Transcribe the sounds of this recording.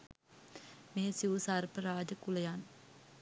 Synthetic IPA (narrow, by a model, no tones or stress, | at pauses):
meːsiʋusarpəɾaːd͡ʒəkulejan